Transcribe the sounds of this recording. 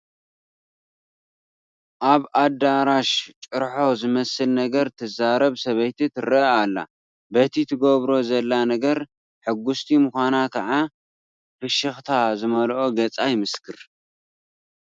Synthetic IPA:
ʔaβad̪aɾaʃt͡ʃʼɨɾħo̞zɨmɐsɨlnɐɡɐɾt̪ʰɨzaɾɐβsɐβɐjt̪ʰit̪ʰɨɾɐalːa̰ | bɐt̪ʰit̪ʰɨɡoβɾo̞zɐlːanɐɡɐɾ | ħɨɡːust̪ʰimɨxʷanakʰɐʕa | fɨʃɨxt̪ʰazɨmɐlʔo̞ɡɐt͡sʼajmɨskʰɨɾ

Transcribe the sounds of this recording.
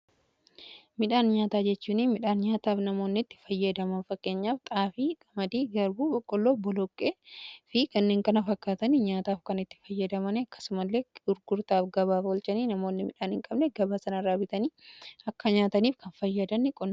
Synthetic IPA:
mɪᶑaːnɲaːt̪aːd͡ʒɛt͡ʃːuːninmɪᶑaːnɲaːt̪aːfnɐmo̞ːnːɪt̪ːɪ̥fɐjːɐd̪ɐmɐnfɐkːe̞ːɲːaːft̪ʼaːfiːkʼɐmɐd̪iːɡɐɾbuːbɔkʼːɔlːoːbɔlɔkʼːeːfɪkɐnːe̞ːŋkɐnɐfɐkːaːt̪ɐniɲaːt̪aːfkɐnɪt̪ːɪ̥fɐjːɐd̪ɐmɐnɛɐkːɐ̥sʊmɐlːe̞ːɡ̥ʊɾɡʊɾt̪aːfɡɐβaːfwɔlt͡ʃʼɐniːnɐmo̞ːnːɪmɪᶑaːnhɪŋkʼɐbnɛɡɐbaːsɐnɐɾaːbɪt̪ɐniːɐkːɐɲaːt̪ɐniːfkɐnfɐjːɐd̪ɐnːɪkʼɔnː

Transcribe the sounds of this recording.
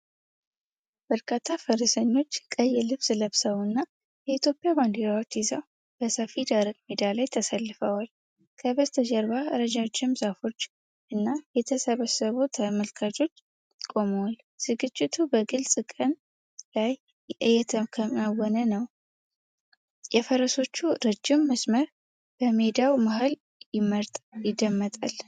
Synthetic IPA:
b̥əɾkʰat̪ʰːafəɾɨsəɲːo̞t͡ʃːkʼəjːɛlɨβsləβsəwɨnːa | jɛit̪jopʼːjaband̪iɾawot͡ʃːizəw | b̥əsəfid̪aɾəɡ̚med̪alajt̪ʰəsəlːɨfəwal | kʰəβəst̪ʰəd͡ʒəɾbaɨɾəd͡ʒawt͡ʃːɪmzafo̞t͡ʃː | ʔɨnːajɛt̪ʰəsəβəsəβut̪ʰəməlkʰat͡ʃʼo̞t͡ʃː | kʼo̞məwal | z̥ɨɡɨt͡ʃʼːɪt̪ʰubəɡɨlsʼɨkʼən | laj | ɨjɛt̪ʰəkʰəmawɔnənəw | jɛfəɾəso̞t͡ʃːuɾɨd͡ʒːɪmːəsməɾ | b̥əme̞d̪awmaɦal | jɪməɾt̪ʼjɪd̪ːəmːət̪ʼal

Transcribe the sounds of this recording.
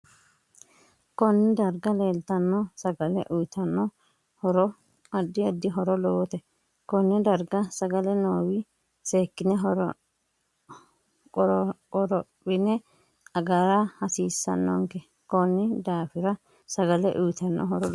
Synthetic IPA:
kɔnːɪd̪ɐɾɡɐleːlt̪ɐnːɔsɐɡɐlɛ̰ʔʊjt̪ɐnːɔ | hɔɾɔ | ɐd̪ːɪɐd̪ːɪɦɔɾɔlɔwɔt̪ɛ | kɔnːɪd̪ɐɾɡɐsɐɡɐlɛnoːwɪ | seːkːɪnɛɦɔɾ | kʼɔɾ | ɔɾɔ | wɪnɛ | ɐɡaɾahɐsiːsːɐ̰nːɔ̰ŋkɛ | kɔnːɪd̪aːfɪɾɐ | sɐɡɐlɛʔʊjt̪ɐnːɔ̰ɦɔɾɔl

